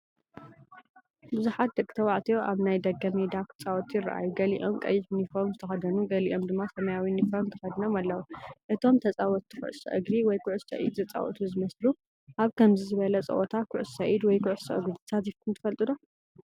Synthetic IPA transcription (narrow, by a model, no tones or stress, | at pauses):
bɨzuħat̪̚d̪ɐkʼɨ̥t̪ʰɐwaʕt̪ʰijo̞ʔaβnajd̪ɐɡːɐmed̪akʰɨ̥t͡sʼawɔt̪ʰjɪɾːa̰ʔa̰juɡɐlḭʔo̞mkʼɐ̰jːɪħnifoɾmzɨt̪ʰɐxɐd̪ɐnuɡɐlḭʔo̞md̪ɨmːasɐmɐjawinifoɾmɨnt̪ʰɐxɐd̪ɨnomalːɐwuʔɨt̪ʰo̞mt̪ʰɐt͡sʼawɔt̪ʰːu̥kʰʊ̰ʕsɐ̰ʔɨ̰ɡɾiwɔjkʰʊʕʊssɐ̰ʔḭd̪zɐt͡sʼa̰wɔ̰t̪ʰuzɨmɐslu | ʔaβkʰɐmzizɨβɐlɐt͡sʼɐ̰ʔɔt̪ʰakʰʊʕʊssɐʔid̪wɔjkʰʊʕsɐ̰ʔɨ̰ɡɾi̥sʰat̪ifkʰɨnt̪ʰɨfɐlt̪ʼɨd̪o